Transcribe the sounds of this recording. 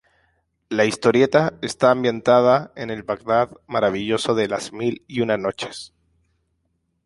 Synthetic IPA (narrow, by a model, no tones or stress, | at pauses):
laist̪o̞ɾje̞t̪ae̞st̪aːmbje̞nt̪að̞ae̞ne̞lβaɣðaðmaɾaβ̞iʝo̞so̞ðe̞lazmiliunano̞t͡ʃe̞̥s